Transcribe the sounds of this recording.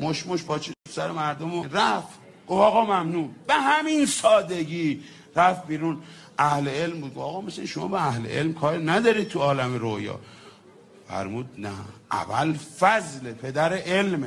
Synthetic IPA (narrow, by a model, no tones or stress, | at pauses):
moʃmoʃbɒːt͡ʃʰiofsæɾemæɾd̪omoɾæf | ɡ̥ofɒːɣɒːmæmnuːnbehæminsɒːd̪eɡiː | ɾæfbiːɾuːn | ʔæhleelmbuːd̪̚ɡofɒːɣɒːmæsinʃomɒ̰ːbeæhlḛʔelmkʰɒːɾnæd̪ɒːɾid̪̚t̪ʰuɒːlæmeɾojɒ̰ː | fæ̰ɾmuːd̪̚næʔæ̰vælfæzlepʰe̞d̪æɾeʔelme